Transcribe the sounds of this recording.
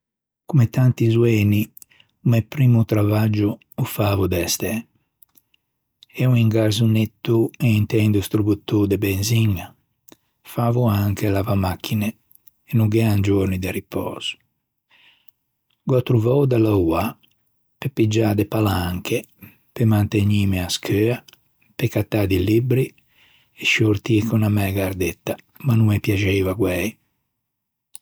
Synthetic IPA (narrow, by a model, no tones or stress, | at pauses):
kumet̪ant̪izwɛːni | umɛpɾiːmut̪ɾavad͡ʒu | ufaːvud̪ɛst̪ɛ | ɛuiŋɡaɾzunet̪ːueint̪ɛnd̪ust̪ɾubut̪ːud̪ebɛnziɲːa | faːvuaŋkelavamakʰːine | enuɡɛand͡ʒoɾnid̪eripʰɔ̰ːz̥u̥ | ɡwat̪ɾuvɔwd̪alaua | pepid͡ʒaːd̪ɛpalaŋkʰe | pemant̪eɲiːmiaskʰøːa | pekat̪ːaːd̪ilibɾi | ɛʃoɾt̪ikunamɛɡaɾd̪ɛt̪ːa | manumɛpjad͡ʒevaɡwɛj